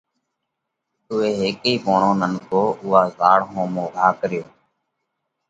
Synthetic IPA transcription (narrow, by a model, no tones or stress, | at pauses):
ʊːeːɦeːkiːboːɳõːnənkoːʊɦaːzaːɽɦõːmoːɡʱaːkəɾɪjoː